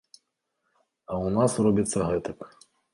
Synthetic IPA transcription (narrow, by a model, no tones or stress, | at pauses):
ɐwnasrɔbʲit̪sːɐɣɛt̪ɐk